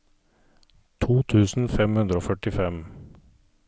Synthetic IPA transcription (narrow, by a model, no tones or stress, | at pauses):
t̪ʰuːt̪ʰʉːsn̩fɛmhʉnd̪ɾəoːfœʈɪfɛm